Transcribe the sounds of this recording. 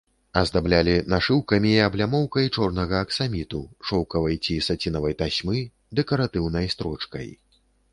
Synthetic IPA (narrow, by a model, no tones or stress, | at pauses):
ɐzd̪ablʲalʲinaʂɨwkɐmʲiːɐblʲamɔwkɐjt͡ʂɔrnɐɣɐːksamʲit̪uʂɔwkɐvɐjt͡sʲisat͡sʲinɐvɐjt̪asʲmɨ | d̪ɛkɐɾat̪ɨwnɐjst̪ɾɔt͡ʂkɐ̰j